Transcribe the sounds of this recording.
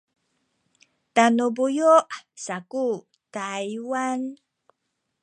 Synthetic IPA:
tanubujuʔsaku | tajwan

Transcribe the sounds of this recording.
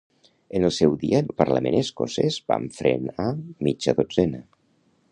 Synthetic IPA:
ənəlˠsɛwðiəpəɾləmenəskosɛzba̰ɱfɾenamid͡ʒəðod͡zɛnə

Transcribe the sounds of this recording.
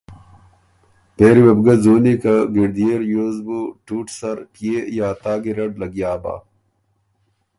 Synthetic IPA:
t̪eːɾiwebɡɐzoːnikɐɡiɾd̪ijeɾjoːzbuʈuːʈsɐɾkijejaːt̪aːɡiɾɐɖlɐɡjaːba̰ː

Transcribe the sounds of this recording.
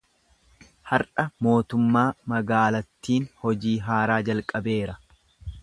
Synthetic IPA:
hɐɾɐmo̞ːt̪ʊmːaːmɐɡaːlɐt̪ːiːnhɔd͡ʒiːɦaːɾaːd͡ʒɐlkʼɐbe̞ːɾɐ

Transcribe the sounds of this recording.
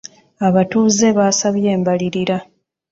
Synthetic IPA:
aβatuːze̞βaːsaβje̞ːmbaliɾiɾa

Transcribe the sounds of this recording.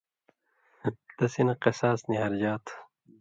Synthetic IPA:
t̪ɐsinɐqesaːsniɦɐɾd͡ʑaːt̪ʰ

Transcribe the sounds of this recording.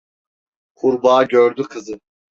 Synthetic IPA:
kʰuɾbaːɟøɾd̪ykʰɯzɯ

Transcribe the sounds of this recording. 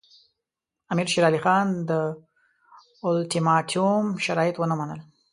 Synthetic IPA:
amiɾʃiɾɑlixɑnd̪ə | ʊlʈimɑʈʰiumʃaɾɑjɪt̪wənamanəl

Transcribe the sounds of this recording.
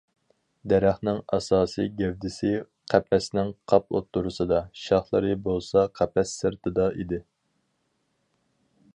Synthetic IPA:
d̪ɛɾæχnɪŋɑ̰sɑːsɨ̰jɡʲɛvd̪ɪsɪ | qʰæpʰːɛsnɪŋqʰɑp̚o̰t̪ːuɾɨsɨd̪ɑʃɑχlˠɨɾɨbolˠsɑqʰæpʰɛsːɨɾt̪ʰɨd̪ɑid̪ɪ

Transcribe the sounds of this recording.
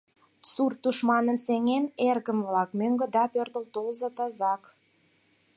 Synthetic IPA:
t͡surt̪uʃmɑnə̆mseŋenerɣə̆mvlɑkmøŋɡə̆d̪ɑpørt̪ə̆lt̪olzɤ̆t̪ɑzɑk

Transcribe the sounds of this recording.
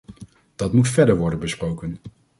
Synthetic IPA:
d̥ɑtmutfɛɹdəɹʋɔɹdənbəsprowkən

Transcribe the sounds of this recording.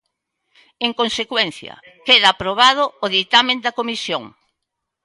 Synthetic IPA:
eŋkõnsekwɛn̟θjɐ̰ | keðɐːpɾoβað̞ʊːðit̪amẽnd̪ɐkomisjoŋ

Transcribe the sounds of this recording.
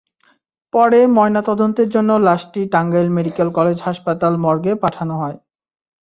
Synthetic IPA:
pɔɾemɔenat̪ɔd̪ont̪eɾd͡ʑonːolaʃʈiʈaŋɡajlmeɖikelkɔled͡ʑɦaʃpat̪almɔɾɡepaʈʰanoɦɔe

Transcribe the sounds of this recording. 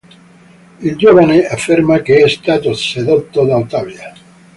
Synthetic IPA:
eld͡ʒoβaneafiɾmakeɛst̪at̪oseðot̪ːod̪awt̪aβja

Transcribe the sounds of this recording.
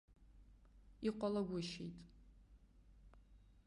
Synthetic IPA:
iqʷʼalaɡʷʊʃḛjtʼ

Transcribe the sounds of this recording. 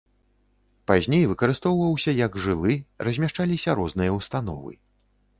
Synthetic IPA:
pazʲnʲejvɨkɐɾɨst̪ɔwvɐwsʲɐjɐɡʐɨlˠɨrɐzʲmʲaʂt͡ʂalʲisʲɐɾɔznɨjɐwst̪an̪ɔ̰vɨ̰

